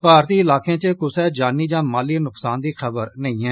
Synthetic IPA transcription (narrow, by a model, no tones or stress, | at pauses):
paːɾt̪iːɪlaːkẽːt͡ʃəkʊsɛːd͡ʒaːniːd͡ʒãːmaːliːnʊksaːnd̪iːxʰəbəɾnəĩːɦɛː